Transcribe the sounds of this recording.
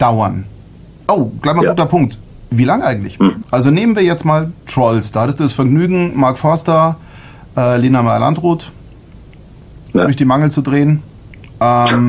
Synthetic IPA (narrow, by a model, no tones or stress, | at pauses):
d̥aʊɐn | ʔoʊɡ̥laɪçmaɡuːtɐpʰʊŋk̚t | viːlaŋʔaɪɡŋ̩tlɪçʔalzoneːmənviːɐjɛt͡stmaːltʁ̥ɔʏlsd̥aːhatəstd̥uːdasfɛɐɡnyːɡŋ̩maɐkfɔɐstɐ | ʔɛːleːnamaɪɐ̰lʔa̰ntʁuːt | dʊɐçd̥iːmaŋl̩t͡sudʁeːən | ʔɛm